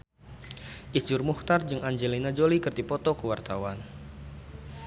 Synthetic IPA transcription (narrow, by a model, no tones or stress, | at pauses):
ʔid͡ʒʊrmuht̪ard͡ʒɨŋaɲd͡ʒelinad͡ʒolikɨrt̪ipɔt̪ɔkəwart̪awan